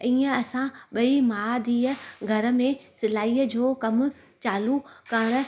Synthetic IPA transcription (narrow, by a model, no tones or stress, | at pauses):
iːə̃ɐsãɓɐimaːd̪ʱiːəɡʱɐɾ̆mẽsɪlaːiːə̆d͡ʑoːkɐmʊ̆ | t͡ɕaːlukɐɽ̃ʊ̆